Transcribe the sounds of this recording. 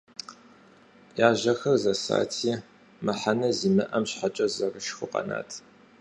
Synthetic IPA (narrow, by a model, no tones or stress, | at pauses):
jaːʒɐxɐrzɐsa̰ːtʰiː | mɐħanɐziːmɨʔɐmɕħat͡ʃʼɐzɐrɨʃxʷʊqʼɐ̰na̰ːtʰ